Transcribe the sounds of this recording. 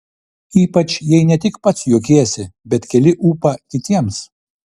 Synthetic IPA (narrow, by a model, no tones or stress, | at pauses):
iːpɐt͡ʃjɛɪnʲɛt̪ʲɪkpɐt̪sjuːkʲeːsʲɪbʲɛt̪kʲɛlʲɪʔuːpɐkʲɪt̪ʲiɛms